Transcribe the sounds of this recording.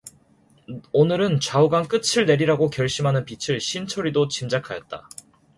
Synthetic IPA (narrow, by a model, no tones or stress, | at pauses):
onɯɾɯnt͡ɕauɡank͈ɯt͡ɕʰɯɭne̞ɾiɾaɡokjʌɭɕ͈imɦanɯnpit͡ɕʰɯɭɕʰint͡ɕʰʌɾidot͡ɕimd͡ʑakʰajʌt̚t͈a̰